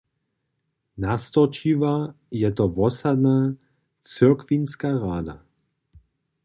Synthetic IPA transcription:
nast̪ɔt͡ʃiva | jɛt̪ɔvɔsad̪na | t͡səkʋinskaʁaːd̪a̰

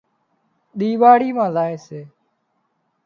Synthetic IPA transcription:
ɗ̪iːʋaːɽiːmãːzaːeːseː

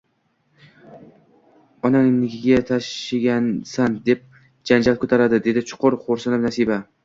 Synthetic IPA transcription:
ɒnaŋnɪɡʲɪɡʲat̪ʰaʃɪɡʲansand̪e̞p̚ | d͡ʒand͡ʒalkʰɵt̪ʰaɾad̪ɪd̪e̞d̪ɪt͡ʃʰʊ̥qʰʊɾχoɾsanɪmnasiba

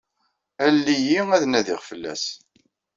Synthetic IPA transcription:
ælːijiæðnæðiʁfəlːæ̰s

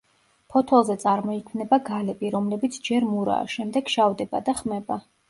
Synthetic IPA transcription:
pʰɔt̪ʰɔlˠzɛt̪sʼaɾmɔikʰmnɛbaɡalɛbiɾɔmlɛbit̪sʰd͡ʒɛɾmuɾa̰ːʃɛmd̪ɛɡʃavd̪ɛba̰d̪aχmɛba

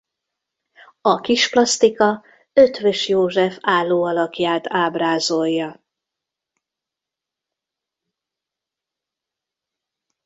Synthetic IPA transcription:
ɒkiʃplɒst̪ikɒ | øt̪ʋøʃjoːʒɛfaːlːoːɒlɒkjaːt̪ʰaːbraːzojːɒ

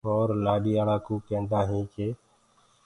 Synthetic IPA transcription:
oːɾlaːɗiːaːlaːkoːkẽːnd̪aːɦĩːkeː

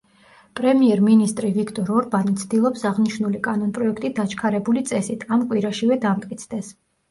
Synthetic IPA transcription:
pʼɾɛmiɛɾminist̪ʼɾivikʰt̪ʼɔɾɔɾbanit̪sʰd̪ilˠɔpsaʁniʃnulikʼanɔnpʼɾɔɛkʰt̪ʼid̪at͡ʃʰkʰaɾɛbulit̪sʼɛsit̪ʰamkʼwiɾaʃivɛd̪amt̪ʼkʼit̪sʰd̪ɛs

